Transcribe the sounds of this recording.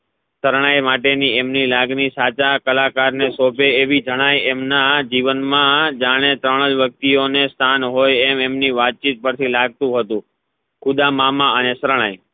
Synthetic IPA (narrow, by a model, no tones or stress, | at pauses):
səɾɳ̃ajmaʈeniemnilaɡnisat͡ʃakəlakaɾnesopeeʋid͡ʒʱəɽ̃ajemnad͡ʒiʋənmãd͡ʒaɽ̃et̪ɾəɽ̃əd͡ʒʋjək̚t̪ionest̪ʰanɦojɛmemniʋat̪̚t͡ʃit̪̚pəɾt̪ʰilaɡ̚t̪ũɦət̪ũ | kʰʊd̪amamãənesəɾɳ̃aj